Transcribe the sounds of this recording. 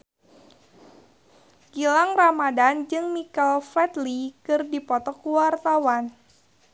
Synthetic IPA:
ɡ̥ilaŋramadand͡ʒɨŋmikalfɛt̪likɨrdipɔt̪ɔkuwart̪awan

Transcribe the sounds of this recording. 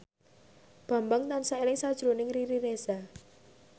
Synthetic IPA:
b̥a̤mbaŋt̪ansaelɪŋsad̥ʒ̥ɾonɪŋriɾiɾesa

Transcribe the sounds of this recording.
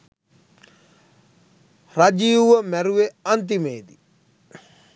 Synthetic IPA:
rad͡ʒiuʋəmɛɾueɐnt̪̬imeːd̪i

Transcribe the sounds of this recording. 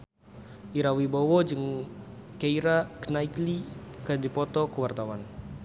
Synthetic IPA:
ʔiɾawibɔwɔd͡ʒɨŋ | keiɾakənaiklikadipɔt̪ɔkəwart̪awan

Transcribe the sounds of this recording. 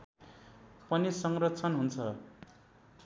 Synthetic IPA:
pʌnisʌŋrʌt͡sʰʌnɦunt͡sʰʌ

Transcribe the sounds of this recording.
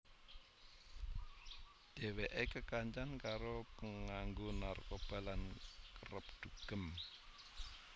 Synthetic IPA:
d̪̥e̤weʔekəkaɲt͡ʃankaɾopəŋaŋɡonarkob̥a̤lankəɾəp̚d̪̥uɡ̥ə̤m

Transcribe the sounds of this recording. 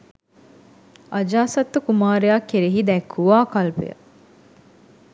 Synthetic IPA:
ɐd͡ʒaːsɐt̪ːukumaːɾejaːkːeɾeɦid̪ɛkʰːuʋaːkɐlpḛjə̰

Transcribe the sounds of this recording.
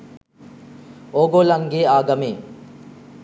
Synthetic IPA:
oɡoːlɐŋɡeaːɡɐmeː

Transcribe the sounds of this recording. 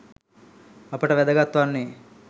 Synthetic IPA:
ɐpɐʈɐʋɛd̪ɐɡɐt̪ʋanːi

